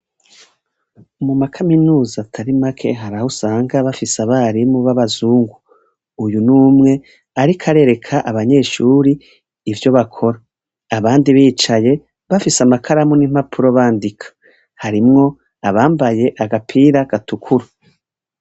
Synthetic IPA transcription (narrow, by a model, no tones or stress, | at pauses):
umumakʰaminuːzaːtʰaɾimakʰe̞̰ɦaɾahusaːŋɡaβafisaβaɾimuβaβazuːŋɡuː | junuːmŋe̞ | aɾikʰaɾe̞ɾe̞kʰaʔaβaɲe̞ːʃuːɾiː | vjo̞βakʰo̞ɾaː | βaːndiβiːt͡ʃaje̞ | βafisamakʰaɾamunim̥hapʰuɾo̞βaːndikʰḁ | haɾimŋo̞ | aβaːmbaje̞ʔaɡapʰiːɾaɡ̥atukʰuɾa